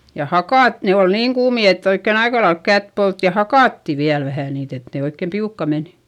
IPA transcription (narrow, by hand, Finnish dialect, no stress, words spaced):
jɑ hɑkɑˑt ne ol niːŋ kuːmi etː oikːen ɑikɑlɑelk kæt polt jɑ hɑkɑˑtːi ʋiæl ʋæhæˑ niːt et ne oikːeˑm piukːɑ men